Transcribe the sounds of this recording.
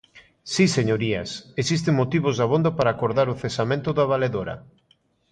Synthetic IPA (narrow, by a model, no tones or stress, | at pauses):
siseɲoɾiɐ̰sesis̬t̪eŋmot̪iβozðaβond̪apaɾaːkoɾðaɾʊθesamẽnt̪ʊðaβ̞aleðoɾɐ̰